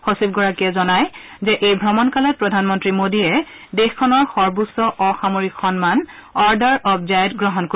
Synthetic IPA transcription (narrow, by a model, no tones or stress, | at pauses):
xɔsib̚ɡɔɹakiɛzɔnaj | zɛʔejbʱɹɔmɔnkalɔt̚pɹɔdʱanmɔntɹimodiɛ | dexkʰɔnɔɹxɔɹbusɔʔɔxamoɹikxɔnman | ɔɹdaɹɔbzajtɡɹɔɦɔnko